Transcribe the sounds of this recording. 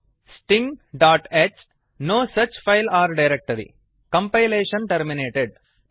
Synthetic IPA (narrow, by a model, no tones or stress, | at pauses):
sʈĩŋɖaːʈet͡ʃ | noːsɐt͡ʃfaɪlaːɾɖɐɪɾek̚ʈɐɾḭ | kɐ̃mpaɪleːʃɐnʈɐɾmineːʈeɖ